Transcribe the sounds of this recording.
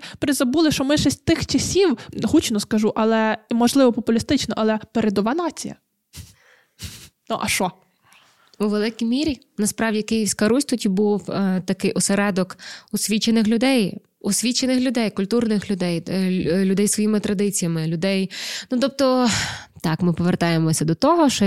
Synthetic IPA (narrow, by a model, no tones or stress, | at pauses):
pɾɪzɐbulˠɪʃɔmɪʃɛsʲt̚ʲt̪ɪxt͡ʃɐsʲiwɦut͡ʃnɔskɐʒuʔɐlˠɛmɔʒlˠɪʋɔpɔpʊlʲist̪ɪt͡ʃnɔʔɐlˠɛpeɾed̪ɔʋɑnɑt͡sʲḭjɐ̰ | nuʔɐʃɔ | ʊʋelˠɪkʲijmʲiɾʲi | nɐspɾɑwdʲijkɪjiwʲsʲkɐɾusʲt̪utʲibuwt̪ɐkɪjʔɔseɾɛd̪ɔkʊsʲʋʲit͡ʃenɪxlʲʊd̪ɛj | ʊsʲʋʲit͡ʃenɪxlʲʊd̪ɛjkʊlʲt̪urnɪxlʲʊd̪ɛjlʲʊd̪ɛjsʋɔjimɪt̪ɾɐd̪ɪt͡sʲijɐmɪlʲʊd̪ɛjnut̪ɔp̚t̪ɔt̪ɑkmɪpɔʋert̪ɑjemɔsʲɐd̪ɔt̪ɔɦɔʃt͡ʃɔ